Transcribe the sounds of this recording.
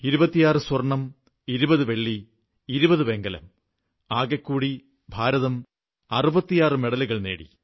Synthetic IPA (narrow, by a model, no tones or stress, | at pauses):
iɾubɐt̪ːijaːrɨswɐrɳːɐm | iɾubɐðɨʋe̞ɭːi | iɾubɐðɨʋe̞ŋɡɐlɐ̰m | aːɡɐkːuːɽi | bʱaːɾɐðɐm | ɐrubɐt̪ːijaːrɨmeɽɐliɣɐɭneːɽḭ